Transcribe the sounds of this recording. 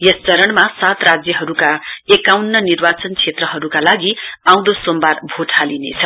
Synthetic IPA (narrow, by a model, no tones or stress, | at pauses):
jʌst͡sʌɾʌɳmasat̪rad͡zjʌɦʌɾukaekawnːʌnirbat͡sʌnt͡sʰet̪rʌɦʌɾukalaɡiaw̃d̪osombarbʱoʈʰalinḛt͡sʰʌ